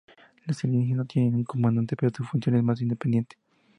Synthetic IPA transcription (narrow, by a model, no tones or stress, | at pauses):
laselinsinot̪jeneuŋkomãnd̪ant̪epeɾosufunsjonemas̬ind̪epend̪jent̪e̥